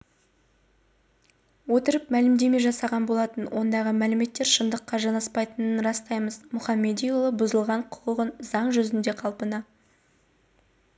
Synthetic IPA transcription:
wo̞t̪əɾəpmælɪmd̪e̞me̞ʒɑsɑʁɑnbo̞lˠɑt̪ənwʔo̞nd̪ɑʁəmælɪme̞t̪ːe̞ɾʃəmd̪əqːɑʒɑnɑspɑjt̪ənənɾɑst̪ɑjməzmʊχɑmːe̞d̪ijulˠəbʊzəlˠʁɑɴqʰʊ̥qəʁənzɑɴʒɵzɪnd̪e̞qʰɑlˠpənɑ

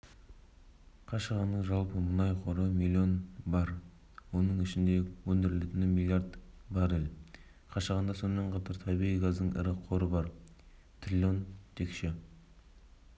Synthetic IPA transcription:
qʰɑʃəʁɑnːəɴʒɑlˠpəmʊnɑjqʰo̞ɾəmilʲˠːio̞nbɑɾ | wo̞nəɴɪʃɪnd̪e̞wɵnd̪ɪɾɪlet̪ɪnɪmʲilʲˠijaɾd̪bɑɾɪlʲ | qʰɑʃəʁɑnd̪ɑso̞nmeɴqʰɑt̪ɑɾt̪ʰɑbiʁijɡɑzd̪əɴɪ̰ɾɪqʰo̞ɾəbɑɾ | t̪ʰrʲilʲo̞nt̪ʰekʃe

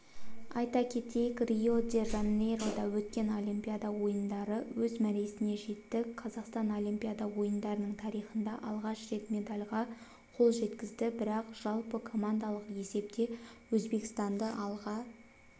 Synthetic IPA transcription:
ɑ̰jt̪ɑkʲʰe̞t̪e̞jɪkrʲio̞d̪e̞ʒanːejɾod̪ɑwɵt̪kʲe̞no̞lʲˠimpʲijad̪ɑwo̞jənd̪ɑɾəwɵzmæɾesɪne̞ʒe̞t̪ːɪqʰɑzɑqst̪ɑno̞lʲˠimpʲijad̪ɑwo̞jənd̪ɑɾənəɴt̪ʰɑɾijχənd̪ɑʔɑlˠʁɑʃre̞t̪me̞d̪alʲʁɑ | qʰo̞lˠʒe̞t̪kʲɪzd̪ɪbɪɾɑqʒ̥ɑlˠpəkʰo̞mand̪alˠəqe̞se̞p̚t̪e̞wɵzbe̞kʲɪ̥st̪ɑnd̪əʔɑlˠʁɑ

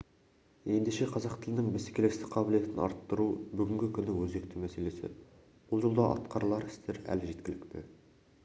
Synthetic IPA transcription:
e̞nd̪eʃeqʰɑzɑqt̪ʰɪ̆lɪnɪŋmɪskʲelest̪ɪqʰɑbɪlije̞t̪ɪnɑ̰ɾt̪ːəɾubʏɡʲɪŋɡʲɪkʲʰʏnːɪwɵzekt̪ʰumæse̞le̞sɪ̰ | b̥ʊlˠʒolˠd̪ɑʔɑ̰t̪qʰɑɾlˠɑɾɪ̥st̪eɾæ̰lɪʒe̞t̪kʲɪlɪkt̪ɪ̰

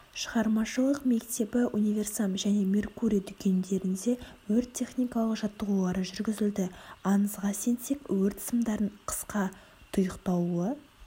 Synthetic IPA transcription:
ʃəʁɑɾmɑʃəlˠəqme̞kt̪e̞pɪʔunijvʲe̞rsamʒæne̞mʲe̞rkuɾʲijad̪ʏkʲʰe̞nd̪e̞ɾɪnd̪e̞wɵɾt̪ʲʰːe̞χnʲijkɑlˠəqʒɑt̪ːəʁulˠɑɾəʒʏɾɡʲɪzɪld̪ɪɑnəzʁɑse̞nse̞kwɵɾt̪ʰɪ̥səmd̪ɑɾəɴqʰə̥sqɑ | t̪ʰʊjəqt̪ɑw̪ˠuə

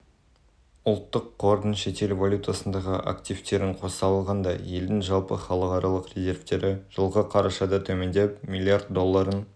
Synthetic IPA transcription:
ʊlˠt̪ːəqːʰoɾd̪ənʃe̞t̪e̞lvalʲjut̪asənd̪ɑʁəʔa̰kt̪ijft̪e̞ɾɪɴqʰo̞sɑlˠʁɑnd̪ɑje̞ld̪ɪŋʒɑlˠpə̰χɑlˠəqɑɾʔɑlˠəqrʲezʲe̞ɾft̪e̞ɾʔɪʒ̥əlˠʁəqʰɑɾɑʃɑd̪ɑt̪ʰɵme̞nd̪e̞pmʲilʲˠːiard̪d̪o̞lˠːɑɾən

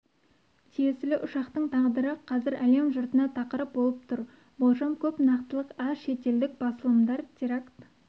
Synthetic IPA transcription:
t̪ʰijesɪlɪʔʊʃɑqt̪əɴt̪ʰɑʁd̪əɾəqʰɑzɪɾæle̞mʒʊɾt̪ənɑt̪ʰɑqəɾəp̚bolˠəp̚t̪ʰʊɾ | bolˠʒɑmkʲʰɵpnɑqt̪əlˠəqɑʃe̞t̪e̞ld̪ɪk̚bɑsəlˠəmd̪ɑɾt̪ʰʲeɾakt̪

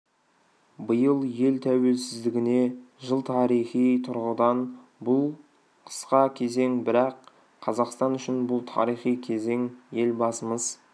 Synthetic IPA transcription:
bəjəlˠje̞lt̪ʰæwe̞lsɪzd̪ɪɡʲɪne̞ʒəlˠt̪ʰɑɾijχijt̪ʰʊɾʁəd̪ɑn | bʊlˠ | qʰə̥sqɑkʲʰe̞ze̞ŋbɪɾɑqʰː | ɑzɑqst̪ɑnʏʃɪnbʊlˠt̪ʰɑ̰ɾijχijkʲʰe̞ze̞ŋje̞lbɑsəməz̥

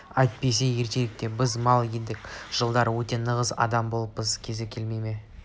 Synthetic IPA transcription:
ɑjt̪̚pe̞s̬e̞je̞ɾt̪e̞lɪk̚t̪e̞bɪzmɑlˠjend̪ɪkʒ̥əlˠd̪ɑɾwɵt̪e̞nəʁəzɑ̰d̪ɑmbo̞lˠəpːəzkʲʰe̞zekʲʰelmejme̞

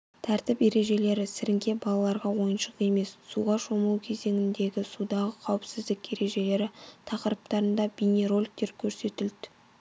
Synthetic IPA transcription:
t̪ʰæɾt̪ɪpe̞ɾe̞ʒe̞le̞ɾɪsɪɾɪŋkʲe̞bɑlˠɑlˠɑɾʁɑwo̞jənʃəqe̞me̞sːuʁɑʃo̞məlˠukʲʰe̞ze̞ŋʲɪnd̪e̞ɡʲɪsud̪ɑʁəqʰɑwɪpsɪzd̪ɪkʲe̞ɾe̞ʒe̞le̞ɾɪt̪ʰɑqəɾəp̚t̪ɑɾənd̪ɑbineɾo̞lʲk̚t̪e̞ɾkʲʰɵɾse̞t̪ɪld̪ɪ̥

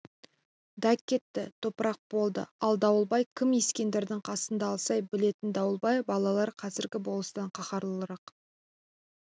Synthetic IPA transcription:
d̪ækʲːe̞t̪ːɪt̪ʰo̞pəɾɑq̚b̥o̞lˠd̪ə̰ɑlˠd̪ɑwəlˠbɑjkʲʰɪmjeskʲe̞nd̪e̞ɾd̪ɪŋqʰɑsənd̪ɑːlˠsɑjbɪle̞t̪ɪnd̪ɑwəlˠbɑjbɑlˠɑlˠɑɾqʰɑzɪɾɡʲɪbo̞lˠəst̪ɑɴqʰɑχɑɾlˠəlˠəɾɑq

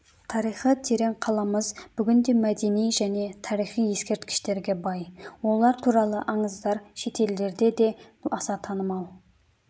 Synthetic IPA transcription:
t̪ʰɑɾijχət̪ʰe̞ɾe̞ɴqʰɑlˠɑməzbʏɡʲɪnd̪e̞mæd̪e̞nijʒæne̞t̪ʰɑɾijχije̞skʲe̞ɾt̪kʲʰɪ̥ʃt̪e̞ɾɡʲe̞bɑjwo̞lˠɑɾt̪ʰuɾɑlˠəʔɑɴəzd̪ɑɾʃe̞t̪ʰe̞ld̪e̞ɾd̪e̞d̪e̞ɑsɑt̪ʰɑnəmɑw

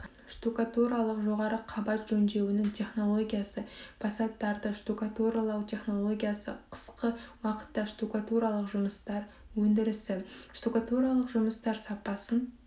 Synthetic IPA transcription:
ʃt̪ukat̪uɾɑlˠəqʒo̞ʁɑɾəqʰɑbɑt̪ʒɵnd̪e̞wɪnɪŋt̪ʲʰe̞χno̞lˠo̞ɡʲijasəpʰɑsɑt̪ːɑɾd̪əʃt̪ukat̪uɾɑlˠɑwt̪ʲʰe̞χno̞lˠo̞ɡʲijasə̰qʰə̥sqəwɑqə̥t̪ːɑʃt̪ukat̪uɾɑlˠəqʒʊməst̪ɑɾ | wɵnd̪ɪɾɪst̪ɪʃt̪ukat̪uɾɑlˠəqʒʊməst̪ɑɾsɑpɑsən

